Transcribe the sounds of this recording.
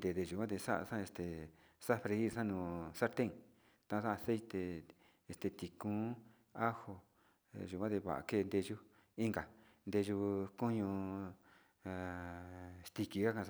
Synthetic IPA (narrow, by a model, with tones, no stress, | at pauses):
d̪e˨˧˨d̪e˧ʒu˨kʷã˦t̪̬e˧sa˦ʔa̰˧sã˦˧e˧st̪e˨ | sa˦fɾe˧i˦sã˦nũː˧˨sa˦ɾt̪ẽ˦ŋ | t̪ã˧˦˧sã˦˧se˦it̪e˧ | e˧st̪e˧˨t̪i˨kũ˦ | a˦ho˧ | ʒu˨kʷã˦t̪e˧βa̰˨a̰˧ke˦˧˨nd̪e˧ʒu˦ | i˦ŋɡa˨ | nd̪e˧ʒu˧ku˦ɲũ˧˨ | st̪i˧ki˧a˦kã˧